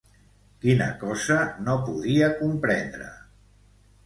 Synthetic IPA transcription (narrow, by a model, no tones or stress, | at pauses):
kinə̰kɔzənopuðiəkumpɾɛnd̪ɾə̰